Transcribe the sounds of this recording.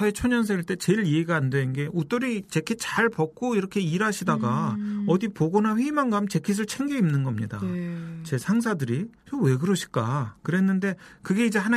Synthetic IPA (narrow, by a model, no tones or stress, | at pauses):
ʌet͡ɕʰoɲʌns̬ʰe̞ɡiɭt͈e̞t͡ɕe̞iɭiɡaːndwennɡe̞ʔut͈oɾit͡ɕe̞kʰit͡ɕaɭpʌk̚k͈oiɾʌkʰe̞iɾaɕʰidaɡaʌdipoɡʌnaɸeimanɡamt͡ɕe̞kʰis̬ʰɯɭt͡ɕʰe̞ŋɡiimnɯnɡʌmɲida̰t͡ɕe̞sʰaŋs̬ʰadɯɾit͡ɕowe̞ɡɯɾɯɕʰi̥k͈a̰kɯɾe̞nːɯnde̞kɯɡe̞id͡ʑe̞ɦana